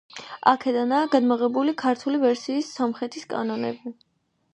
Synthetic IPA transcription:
a̰kʰɛd̪anaːɡad̪maʁɛbulikʰaɾt̪ʰulivɛɾsiːsːamχɾɛt̪ʰiskʼa̰nɔnɛ̰bi

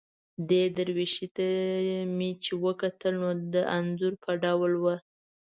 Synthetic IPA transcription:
d̪ed̪əɾwiʃit̪amit͡ʃewəkat̪əlnod̪əʔanzuɾpʰəɖawlwə

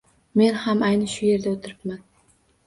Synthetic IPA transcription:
me̞nhamajnɪʃʊje̞ɾd̪aot̪ʰɪɾɪpman

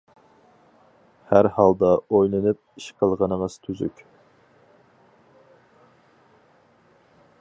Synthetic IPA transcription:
hæɾhɑlˠd̪ɑojlˠɨnɨp̚iʃqʰəlˠʁɑnɨməz̥t̪ʰyzy̰kʲ

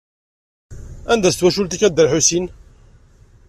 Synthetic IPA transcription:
ænd̪æst̪wæʃult̪ikːæd̪ːæɾħusin

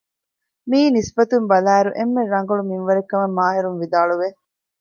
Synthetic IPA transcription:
miːnisbɐt̪umbɐlæːɾuʔemːeɾːɐŋɡɐɭumiŋʋɐɾekːɐmɐmːaːɦiɾunʋid̪aːɭuʋe

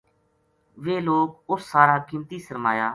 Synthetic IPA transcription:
ʋeːloːk̚ʊsːaːɾaːkɪmt̪iːsəɾma̰ːjaː

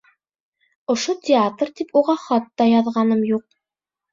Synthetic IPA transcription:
ŏʃot̪ʲɪat̪rt̪ipuʁɑχɑt̪ːɑjɑðʁɑnɤmjuq̚

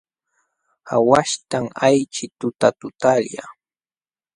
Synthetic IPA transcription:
awaʃt̪aŋajt͡ʃɪt̪ʊt̪at̪ʊt̪aʎja̰

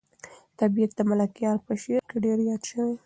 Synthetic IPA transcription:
t̪abijat̪̚d̪əmalakijɑɾpəʃeɾkeɖeɾjɑd̪ʃəwe

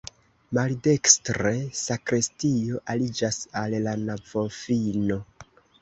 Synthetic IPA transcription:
malde̞kstɾe̞sakɾestio̞ʔalid͡ʒasallanavofino̞

